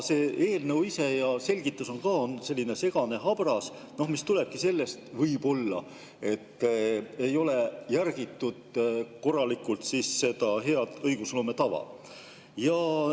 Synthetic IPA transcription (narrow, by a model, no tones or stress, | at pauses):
se̞ːʔeːlnewise̞jɑse̞lʲɡ̥it̪ːˑuso̞nkɑːo̞nse̞lʲːine̞se̞ɡ̥ɑne̞ɦɑb̥rɑs | no̞hmist̪uleb̥̚kise̞lːe̞st̪vɤjbo̞lːɑ | e̞t̪ːe̞jo̞le̞jærɡ̥it̪ːud̪̥̚ko̞rːɑlikult̪siːsse̞d̪ɑɦe̞ɑd̪̥ɤjɡ̥uslo̞ːmet̪ɑvɑ̰ | jɑ